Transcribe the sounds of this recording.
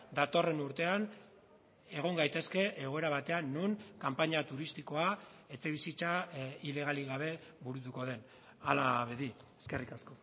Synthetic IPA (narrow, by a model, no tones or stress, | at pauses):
d̪at̪o̞re̞nuɾt̪e̞an | e̞ɣ̞o̞ŋɡajt̪e̞ske̞ʔeɣo̞e̞ɾaβ̞at̪e̞anːuŋkampaɲat̪uɾist̪iko̞a | e̞t͡se̞β̞isit͡saile̞ɣ̞aliɣaβ̞e̞βuɾut̪uko̞ð̞e̞n | alaβeðieskerikasko